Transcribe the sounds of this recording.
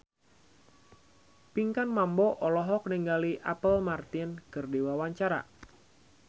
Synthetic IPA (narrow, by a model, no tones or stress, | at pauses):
piŋkanmambɔʔɔlɔɦɔk̚niŋɡaliʔapəlmart̪ɪnkərdewawaɲt͡ʃaɾa̰